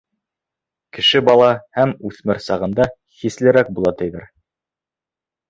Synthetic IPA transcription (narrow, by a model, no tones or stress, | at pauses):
kɘ̆ʃɘbɑlˠɑhæmʉθmɘɾsɑʁɤ̆nd̪ɑ | χislɘ̆ɾæk̚bulˠɑt̪ɘ̆jðɘɾ